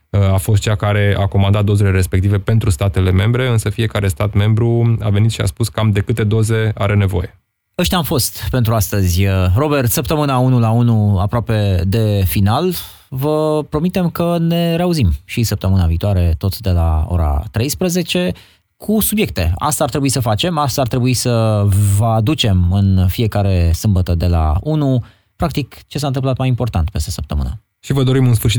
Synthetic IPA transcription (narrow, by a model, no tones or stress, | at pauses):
afo̞st̪t͡ʃakaɾe̞ako̞mand̪at̪̚d̪o̞zeleɾe̞spekt̪ive̞pe̞nt̪ɾust̪at̪e̞le̞me̞mbɾe̞ɨnsəfie̞kaɾe̞st̪at̪me̞mbɾua̰ve̞nit̪ʃia̰spuskəamd̪e̞kɨt̪e̞d̪o̞ze̞a̰ɾe̞ne̞vo̞̰je̞ | əʃt̪ʲamfo̞st̪pe̞nt̪ɾuast̪əzʲro̞be̞rt̪səp̚t̪əmɨnaunulaunuapɾoape̞d̪e̞final | vəpɾo̞mit̪e̞mkəne̞ɾeauzimʃisəp̚t̪əmɨnaviːt̪oaɾe̞t̪o̞t̪d̪e̞la̰o̰ɾa̰t̪ɾe̞jspɾəze̞t͡ʃe̞ | kʰusubje̞k̚t̪e̞̰a̰st̪aːrt̪ɾe̞buisəfat͡ʃe̞mast̪aːrt̪ɾe̞buisəvəad̪ut͡ʃe̞mɨnfie̞kaɾe̞sɨmbət̪əd̪e̞la̰unu | pɾak̚t̪ikt͡ʃe̞s̬ant̪ɨmplat̪majimpo̞rt̪ant̪̚pest̪esəp̚t̪əmɨ̰nə̰ | ʃivəd̪o̞ɾimɨnsfɨrʃit